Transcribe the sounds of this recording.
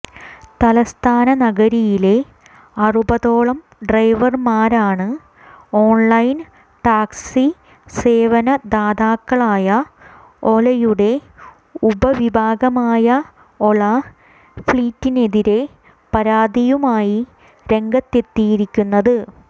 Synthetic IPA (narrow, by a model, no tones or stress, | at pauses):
t̪ɐlɐst̪ʰaːnɐnɐɡɐɾijile̞ | ɐrubɐðo̞ːɭɐm | ɖrɐjʋɐrmaːɾaːɳɨ | o̞ːnlɐjn | ʈaːkssi | se̞ːʋɐnɐd̪aːd̪aːkːɐɭaːjɐ | olɐjuɽe̞ | ubɐʋibʱaːɡɐmaːjɐ | o̞ɭɐ | fɭiːtːine̞ðiɾe̞ | pɐɾaːd̪ijumaːji | ɾe̞ŋɡɐt̪ːe̞t̪ːijiɾikʲːunːɐðɨ